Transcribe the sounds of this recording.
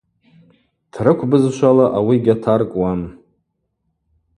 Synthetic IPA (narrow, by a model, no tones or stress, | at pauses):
tʰrɨkʷʰbɨzʃʷalaʔawiɡʲatʰarkʼwam